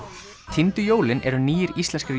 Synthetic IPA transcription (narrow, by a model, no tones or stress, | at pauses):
t̪ʰint̪ʏjoːwlɪnɛɾʏniːjɪɾist̪lɛnskɪɾ